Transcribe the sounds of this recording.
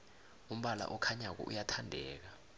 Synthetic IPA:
um̩ɓala̰ʔɔkʰaɲak̬ɔ̰ʔujatʰandʱɛːk̬a

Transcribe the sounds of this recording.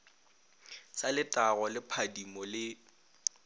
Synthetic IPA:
salɪtʼaɣɔlɪpʰadimɔlɪ

